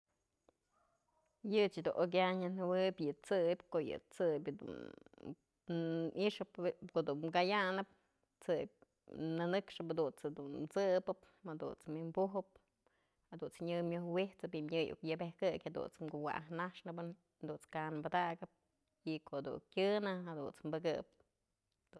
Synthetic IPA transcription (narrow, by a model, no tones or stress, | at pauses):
jɨt͡ʃid̪ṵnʔok̬ʲaɲɨnhɨwɨbʲjɨt͡sɨbʲkoʔjɨ̰t͡sɨbʲd̪ṵn | iʔʂɨpkoʔd̪unmkajanɨp̚ | t͡sɨp̚ʲ | nɨnɨkʂɨphad̪unt͡sd̪unt͡sɨbɨp | ad̪ṵnt͡smimbuɦɨp̚ | had̪unt͡sɲɨmʲohwiht͡sɨpimɲɨjṵkjɨbehkɨkʲhad̪ṵnt͡smɡuwa̰ʔaɦnaʂnɨbɨn | d̪unt͡skanmbad̪aɡɨp̚ | ikod̪ṵkʲɨnɨhad̪ṵnt͡smbɨɡɨp̚ | d̪u